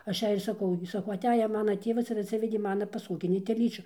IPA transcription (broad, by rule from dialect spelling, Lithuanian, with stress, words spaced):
ˈɐʃ ˈjɛɪ ɪr sɐˈkɐʊ ɡʲɪ sɐˈkɐʊ ɐˈtʲæːjɛ ˈmɑːnɐ ˈtʲeːʋɐs ɪr ɐtʲˈsʲɪʋʲɛdʲeː ˈmɑːnɐ pɐˈsoːɡʲɪnʲɪ tʲɛˈlʲiːt͡ʃʲʊ